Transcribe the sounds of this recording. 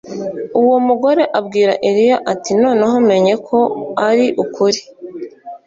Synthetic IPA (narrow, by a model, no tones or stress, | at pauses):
uwo̞muɡo̞ɾe̞ʔabɡiːɾa̰ʔeɾijaʔatino̞ːneɦome̞ɲe̞kʰo̞aɾiʔukuɾi